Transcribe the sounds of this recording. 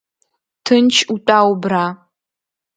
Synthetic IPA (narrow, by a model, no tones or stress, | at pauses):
tʰɨnt͡ʃʰutʼaːwbraː